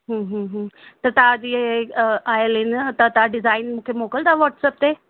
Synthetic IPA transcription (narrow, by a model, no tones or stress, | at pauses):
ɦə̃ɦə̃ːɦə̃ːt̪ɐt̪ad͡ʑi | aːjəlɦɪnt̪ɐt̪aɖɪzaːɪnmũːkʰemoːkəlt̪ʰaʋɔːʈsəp̚t̪eː